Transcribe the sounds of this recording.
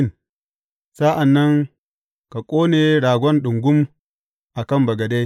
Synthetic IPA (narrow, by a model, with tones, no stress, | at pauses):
n | sa˦ʔa˨nːɐ˦ŋ | ka˨kʷʼoː˦neː˨ɽaː˨ɡʷɔ˦nɗʊ˨ŋɡʷʊ˦m | ʔa˨kɐ˦˨mbɐ˨ɡɐ˨de˦